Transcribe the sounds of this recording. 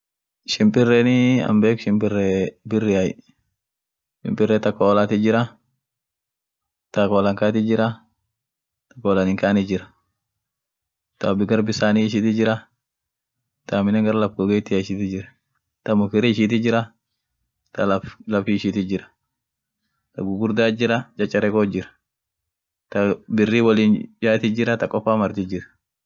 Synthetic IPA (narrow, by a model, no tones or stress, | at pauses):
ʃɪmpʼɪrːɛnɪɐ̰mbeːkʃɪmpɪrːɛbɪrːɪaj | ʃɪ̰mpʼɪrːɛt̪ɐkːolat̪ɪd͡ʒɪɾɐ | t̪akoːlɐŋkaːt̪ɪd͡ʒɪɾɐ | t̪ɐ̥kːɔːlɐnɪŋkaːnɪd͡ʒɪɾɐ̥ | t̪ɐbɪɡɐɾbɪsaːniɪʃ̬ɪt̪ɪd͡ʒɪɾɐ | t̪ʰamɪnɛŋɡɐɾalɐfɡɔɡet̪ːɪaɪʃɪt̪ɪd͡ʒɪɾɐ | t̪ɐmʊkɪɾɛɪʃɪt̪ɪd͡ʒɪɾɐ | t̪ɐlflɐfiɪʃɪt̪ɪd͡ʒɪɾɐ̥ | t̪ɐɡʊɡʊɾd̪aːd͡ʒɪɾɐt͡ʃʼɐt͡ʃʼːɐɾɛkod͡ʒɪɾɐ̥ | t̪ɐbɪrːiwɐliːnd͡ʒaːt̪ɪd͡ʒɪɾɐt̪ɐkʼːɔfːaːmɐɾt̪ɪd͡ʒɪɾɐ̥